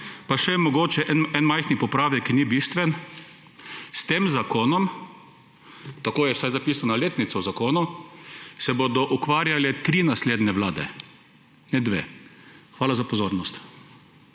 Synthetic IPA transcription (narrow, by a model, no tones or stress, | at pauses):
paʃɛmɔɡoːt͡ʃɛʔɛnɛnmajxnipɔpɾaːʋɛkːinibiːst̪ʋɛn | st̪eːmzakoːnɔm | t̪akoːjɛwsajzapisanaleːt̪nit̪sɔwzakoːnu | sɛbod̪ɔʔukʋaːɾjalɛt̪ɾiːnasleːd̪nɛʋlaːd̪ɛ̰ | nɛd̪ʋḛːxʋaːlazapɔzoːɾnɔst̪